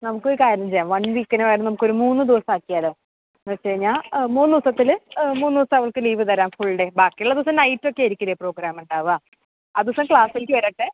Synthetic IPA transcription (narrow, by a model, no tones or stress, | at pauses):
nɐmukːoɾukaːɾɐnmt͡ɕejaːmʋɐɳlikːɐneʋɐjɾnːɐnɐmukːo̞ɾumuːnːɨd̪iʋɐsɐmaːkːijaːle | nːɐt͡ɕːeɻɲːaːmuːnɨd̪iʋɐsɐt̪ːilmuːnːd̪iʋɐsɐmɐʋɐɭkɨliːʋɨt̪ɐɾaːmfuɭːɨɽe̞baːkːijuɭːɐd̪iʋɐs̬ɐmnɐjtːo̞kːe̞iɾikʲːɐɾɐjpro̞ːɡɾaːmuɳɖaːʋaː | ad̪iʋɐsɐmkɭaːsilikʲːɨʋɐɾɐʈːɨ